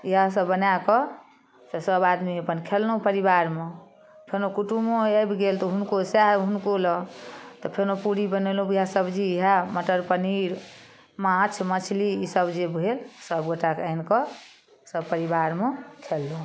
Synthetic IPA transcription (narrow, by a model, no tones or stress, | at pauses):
iɦas̬əbːənakɔ | t̪ɔsəbad̪miəpənkʰelːoɦpəɾiβaɾme | pʰenokuʈumoəjbɡelt̪ɔɦunkosaɦunkolɔt̪ɔpʰenopuɾibənelũbiɦasəbd͡ʒiːɦaməʈəɾpəniɾ | mãt͡ʃʰmət͡ʃʰliisəbd͡ʒebʱelsəbɡoʈakənkɔ | səbpəɾibaɾmekʰelːuɦ